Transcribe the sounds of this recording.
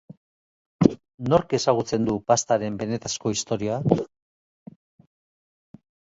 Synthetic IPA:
no̞ɾke̞saɣ̞ut͡se̞nd̪upast̪aɾe̞mbe̞ne̞t̪asko̞ist̪o̞ɾia

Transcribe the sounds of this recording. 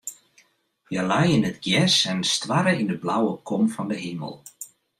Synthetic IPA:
jəlɛjɪnətɡjɛsɛnstwaɾəindəblawəkʰɔmfɔndəɦimə̰lˠ

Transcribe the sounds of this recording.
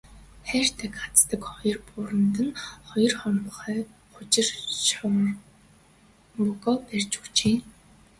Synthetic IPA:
χær̥ʲt̪ʰækat͡st̪ə̆kχɔjɞ̆rpʊɾə̆nt̪ə̆nχɔjɞ̆rχɔnʁɞ̆χœː | χʊt͡ɕɪ̆rʃʊ | ʊɣɔːpærʲt͡ɕu̥t͡ɕeː

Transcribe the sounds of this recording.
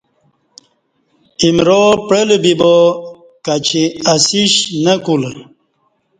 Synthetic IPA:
imɾopɽelbibo | kat͡ɕʰiasiɕnəkul

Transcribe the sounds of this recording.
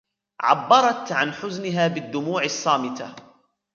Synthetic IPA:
ʕa̰bːɑɾˤɑt̪ʕanħʊznɪɦaːbɪd̪ːʊmuːʕɑsˤːɑːmɪt̪a̰

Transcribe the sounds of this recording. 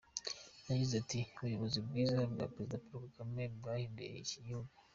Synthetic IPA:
aɟizatiuβujoβozibɡiːzabɡa̰pɾezidapuɾkakamebɾahimbḛɾḭʃiɟihuɡu

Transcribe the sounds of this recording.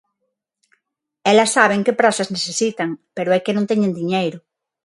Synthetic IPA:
elasːaβ̞eŋkepɾasazneθesit̪aŋpeɾoekenõnt̪eɲẽnd̪iɲejɾo

